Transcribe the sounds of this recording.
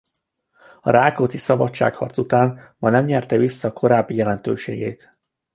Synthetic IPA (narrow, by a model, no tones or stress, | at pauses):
ɒ̰ɾaːkot̪isɒbɒt͡ʃt͡ʃːa̰ːkhɒ̰rt̪sut̪aːnmɒnɛmɲɛrt̪ɛvisːɒːkʰo̞ɾaːbːijɛlɛnt̪ø̰ːʃḛːɡḛːt̪